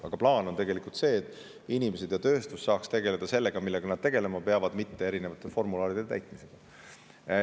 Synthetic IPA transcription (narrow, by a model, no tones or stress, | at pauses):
ɑ̰ɡ̥ɑplɑːno̞nt̪e̞ɡe̞likult̪se̞ːt̪ːˑ | inʲimese̞d̪̥jɑt̪ø̞ːst̪usːɑːkst̪e̞ɡe̞le̞d̪̥ɑse̞lːe̞ɡ̥ɑmilːeɡɑnɑd̪̥t̪e̞ɡe̞le̞mɑpe̞ɑvɑd̪̥mit̪ːe̞eɾine̞vɑt̪ːˑefo̞rmulɑːɾid̪̥et̪æ̰jt̪ˑmiseɡ̥ɑ